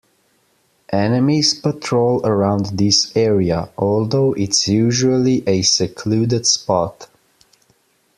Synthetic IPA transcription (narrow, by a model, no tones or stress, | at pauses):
ʔɛnɨmiz̥pətʰɹoʊlˠəɹãʊ̃nd̪ðɪsɛɹiəʔɔlˠðoʊʔɪtsjʉʒuəlˠiʔɨsɨkʰludɨd̥spɔt